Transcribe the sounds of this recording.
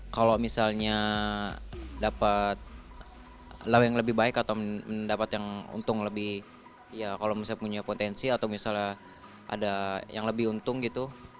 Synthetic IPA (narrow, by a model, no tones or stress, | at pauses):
kalomisalɲa | dapat̪̚ | lawjaŋləbɪhbaɪkat̪aməndapat̪jaŋṵnt̪ʊŋləbɪh | jakalomisapuɲapot̪ɛnsiat̪awmisalɲa | ʔa̰dajaŋləbɪhunt̪ʊŋɡit̪u